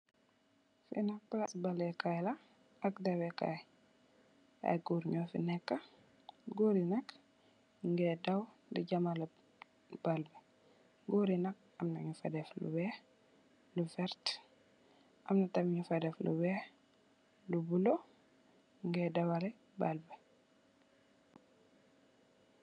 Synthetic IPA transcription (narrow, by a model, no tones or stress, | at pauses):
fḭnɐplasbɐlɛkajlɐ | ɐkdɐwɛka̰j | ɐ̰ɡuɾɲofḭnɛkːɐ | ɡoɾinɐk | ŋɡɛdɐw | diɟɐmal | b̥albɛ | ɡoɾinɐk̚ | ɐmnaɲufa̰dɛflṵwɛ | lufɛɾt | ʔɐmnatɐmɲufɐdɛflṵwɛ | lubulo | ŋɡɛdɐwalɛ | balbɛ